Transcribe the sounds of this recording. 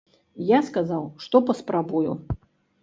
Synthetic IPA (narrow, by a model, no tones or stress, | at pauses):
jaskazawʂt̪ɔpɐspɾabuju